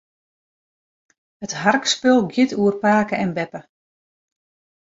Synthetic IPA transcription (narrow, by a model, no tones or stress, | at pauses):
hətɦarkspɪlˠɡjɪtuərpaːkəɛnbɛpə